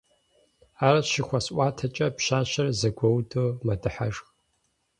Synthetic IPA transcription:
aːɾɐʃɪxʷɐsʔʷaːtʰɐt͡ʃʼɐpʃaːɕɐrɐzɐɡʷɔwdɨmɐdɨħaʐx

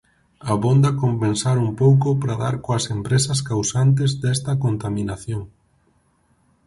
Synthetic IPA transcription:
ɐβond̪ɐkompensaɾumpowkopɾaða̰ɾkoɐsempɾesɐskawsant̪̬ezd̪ɛst̪ɐkont̪amĩnaθjoŋ

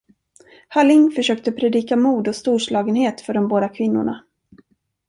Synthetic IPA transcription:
halɪŋfœʂøːk̚t̪əpʰɾɛd̪iːkamuːd̪ɔst̪uːʂlɑːɡənheːt̪fœɖɔmboːd̪akʰvɪn̪ːʊ̰ɳa̰

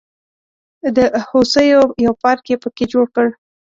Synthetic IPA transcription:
d̪əhosəjojawpɑɾkepəked͡ʒoɽkəɽ

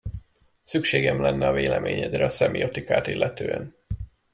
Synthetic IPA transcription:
sykʃeːɡɛmlɛnːɛɒveːlɛmeːɲɛd̪ɾɛɒsɛmiot̪ikaːt̪ilːʔɛt̪øːɛn

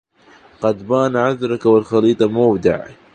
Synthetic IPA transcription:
qɑd̪baːnʕaðɾˤɑkawɪlxɑliːt̪ˤɑmawd̪ɪ̰ʕ

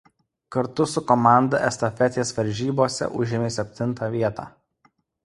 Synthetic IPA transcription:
kɐɾt̪ʊsʊkɔmɑˑnd̪ɐʔɛst̪ɐfʲɛt̪ʲeːsʋɐɾʲʒʲiːboːsʲɛ̰ʔʊʒʲɪmʲeːsʲɛpʲt̪ʲɪnˑt̪ɑːʋʲiɛt̪ɑ̰ː

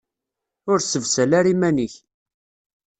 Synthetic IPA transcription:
ʊɾsəvsælæɾimæniç

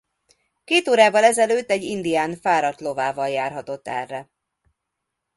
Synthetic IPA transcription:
keːt̪oːɾaːvɒlɛzɛløːt̪ːɛɟːind̪ijaːnfaːɾɒt̪lovaːvɒljaːrɦɒt̪o̞t̪ːɛ̰rːɛ

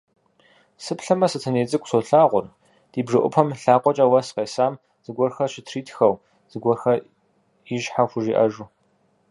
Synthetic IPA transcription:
sɨpɬɐmɐsɨtʰɨneːt͡sʼɨkʷʼsoɬaːʁʷʊr | d̥iːbʒɐʔʷʊ̰pʰɐmɬaːqʷʼɔt͡ʃʼɐwɐsqeːsaːm | z̥ɨɡʷɔrxɐʃɪtʰriːtʰxɐw | z̥ɨɡʷɔrxɐ | iʒħaxʷʊʒiːʔɐ̰ʒuː

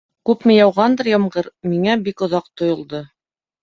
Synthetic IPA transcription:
kʉpmɘ̆jɑwʁɑnd̪ɤɾjɑmɢɤɾmiŋæbikŏðɑq̚t̪ŏjŏlˠd̪ɤ

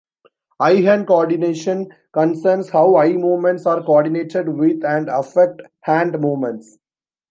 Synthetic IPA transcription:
aɪɦɛ̃nkoɔːɾɖɪneːʃə̃n | kə̃nsəːɾnshaʊaɪmoːmɛ̃ɳʈsaːɾkɔːɾɖɪneːʈeɖʋɪd̪æ̃ɳɖɐfɛk̚ʈ | hæ̃ːɳɖmoːmɛ̃ɳʈs

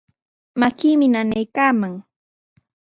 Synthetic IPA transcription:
makiːmɪnanajkaːmaŋ

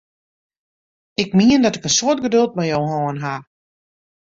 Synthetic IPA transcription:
ɪk̚miəndɔtɪkənsoət̚ɡədølˠt̚mɛjowɦɔːənɦa

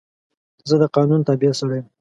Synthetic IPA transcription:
zəd̪əqɑnunt̪abiasəwajəm

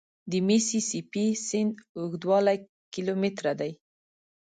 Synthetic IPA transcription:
d̪əmesisipisɪnd̪ʊɡd̪wɑla | kilomet̪ɾad̪aj

